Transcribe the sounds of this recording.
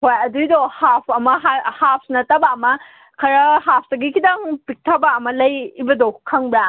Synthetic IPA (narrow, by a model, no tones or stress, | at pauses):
hojɐdujdohapʰɐmɐɦahap̚ʰsnɐtɐbaːmɐ | kʰɐɾɐɦap̚ʰdɐɡikʰidaŋpik̚tʰɐbaɐmɐlɐjːbɐdokʰɐŋba